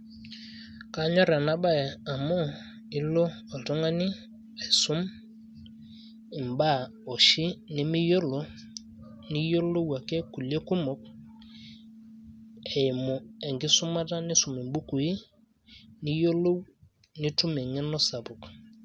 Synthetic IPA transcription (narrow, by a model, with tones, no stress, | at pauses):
ka˦ɲɔ˦ɾa˨na˦ba˦ɛ˨a˨mɔ˦ | i˦loː˦˨tɔ˦ŋa˦ni˦ | ɛ˨su˦m | i˨mba˦˨ | ɔ˨ʃi˦ni˦mi˦jo˦lo˨˦ | ni˦jo˦lo˦wa˨kɛ˦ku˨le˦ku˦mɔ˨k̚ | ɛ˨i˨mo˨ɛ˨ŋɡi˦su˦ma˦ta˦ni˦su˨mi˨mbu˦ku˨i˦ | ni˦jo˦lo˦w | ni˦tu˦me˨ŋɛ˦nɔ˦sa˨pu˨k